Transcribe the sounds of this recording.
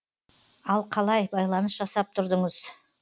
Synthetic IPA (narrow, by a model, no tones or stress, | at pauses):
ɑlˠqʰɑlˠɑjbɑjlˠɑnəsʒ̥ɑsɑp̚t̪ʰʊɾd̪əɴəz̥